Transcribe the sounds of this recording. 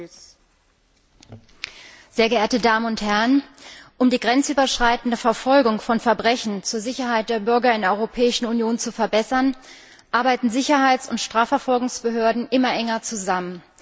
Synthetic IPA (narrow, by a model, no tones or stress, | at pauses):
z̥eːɐɡəʔeːɐtədaːmənʊnthɛʁənʔʊmdiːɡʁɛnt͡sʔyːbɐʃʁ̥aɪtn̩dəfɛɐfɔlɡʊŋfɔnfɛɐbʁɛçn̩t͡suːɐzɪçɐɦaɪt̚d̥eːɐbʏɐɡɐɪndeɛʔɔʏʁopʰɛːɪʃn̩unjoːnt͡sufɛɐbɛsɐn | ʔaɐbaɪtn̩zɪçɐɦaɪt͡sʊntʃtʁ̥aːfɛɐfɔlɡʊŋsb̥əɦøːɐdn̩ʔɪmɐʔɛŋɐt͡suzamən